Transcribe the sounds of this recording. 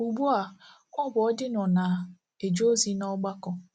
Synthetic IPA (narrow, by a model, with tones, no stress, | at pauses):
u˨ɡ͡bu˦a˨ | ŋʷɔ˦bʊ˨ɔ˦dɪ˦nɔ˨na˨ | e˨d͡ʒo˦zi˦nɔ˦ɡ͡ba˦kɔ˦